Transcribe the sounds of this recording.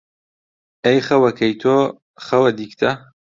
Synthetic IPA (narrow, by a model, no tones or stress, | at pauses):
ejχɐwɐkʰɐjt̪ʰo | χɐwɐd̪iːkt̪ʰɐ